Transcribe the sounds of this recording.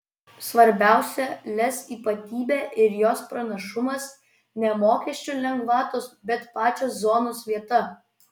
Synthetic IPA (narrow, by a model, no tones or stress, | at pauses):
sʋɐɾʲbʲæˑʊsʲɛlʲɛsiːpɐt̪ʲiːbʲæːʔɪɾjoːspɾɐnɐʃʊmɐs | nʲɛmoːkʲɛʃʲt͡ʃʲʊlʲɛŋɡʋɑːt̪osbʲɛt̪pɑːt͡ʃʲoːszoːnoːsʋʲiɛt̪ɐ